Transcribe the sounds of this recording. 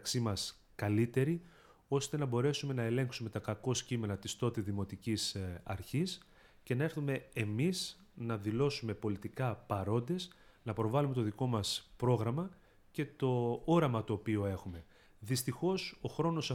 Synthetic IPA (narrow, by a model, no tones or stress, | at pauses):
ksimɐs | kɐlit̪e̞ɾi | o̞st̪e̞nɐbo̞ɾe̞sume̞nɐe̞le̞ŋksume̞t̪ɐkɐko̞scime̞nɐt̪ist̪o̞t̪iðimo̞t̪icisɐ̰ɾçis | ce̞nɐe̞ɾθume̞ːmis | nɐðilo̞sume̞po̞lit̪ikɐpɐɾo̞nd̪e̞snɐpɾo̞vɐlume̞t̪o̞ðiko̞mɐspɾo̞ɣɾɐmɐ | ce̞t̪o̞oɾɐmɐt̪o̞ːpioe̞xume̞ | ðist̪ixo̞so̞xɾo̞no̞sɐ